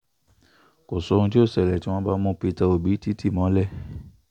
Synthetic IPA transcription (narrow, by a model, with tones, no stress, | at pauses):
ko˨so˨˧˦ũ˧t̬i˦o˦˨sɛ˨lɛ˨ti˦w̃ɔ̃˧˦ba˧mũ˧˦pi˧ta˧o˨bi˨˦ti˦ti˦˨mɔ̃˨˦lɛ˦˨